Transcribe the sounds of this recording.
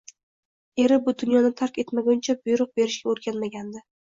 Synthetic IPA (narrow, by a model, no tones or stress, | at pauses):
e̞ɾɪbʊd̪ʊnjɒnɪt̪ʰaɾkʲe̞t̪maɡʲʊnt͡ʃʰabʊjɾʊq̚be̞ɾɪʃɡʲaoɾɡʲanmaɡʲand̪ɪ